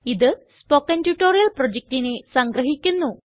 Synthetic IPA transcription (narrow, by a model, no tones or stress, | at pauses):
id̪ɨ | spokːɐntuʈːoːɾijɐlprod͡ʑek̚tinesɐŋɡɾɐɦikʲːunːu